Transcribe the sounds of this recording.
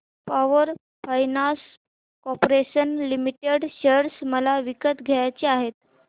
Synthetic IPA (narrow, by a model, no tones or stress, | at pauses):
paʋəɾ | fajnas | kɔpoɾeɕənlimiʈeɽɕəɾsməlaʋikət̪ɡʱejat͡ɕiaɦet̪̚